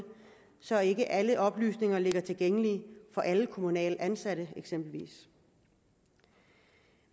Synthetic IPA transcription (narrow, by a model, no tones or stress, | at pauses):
sɒ̽e̝ɡ̥əʔæləʔɒ̽b̥ly̰ːsne̝ŋɐle̝ɡ̥ɐt͡sʰe̝lɡ̥eŋəlifɒ̽ʔæləkʰo̝munɛ̰ːlænsæɾ̥əeɡ̥semb̥l̩ʋḭːs